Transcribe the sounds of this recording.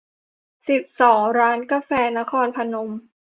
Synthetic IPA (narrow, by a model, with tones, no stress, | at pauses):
si˨˩p̚sɔː˩˦ŋɾaː˦˥nka˧fɛː˧na˦˥kʰɔː˧npʰa˧no˧m